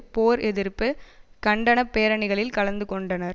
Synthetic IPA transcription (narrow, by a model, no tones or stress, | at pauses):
poːɾɛðɪɾpːɯkɐɳɖɐnɐpːeːɾɐɳɪɣɐɭɪlkɐɭɐnd̪ɯkɔɳɖɐnɐɾ